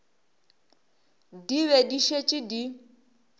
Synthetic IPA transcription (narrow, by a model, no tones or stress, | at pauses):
diβediʃet͡ʃʼidi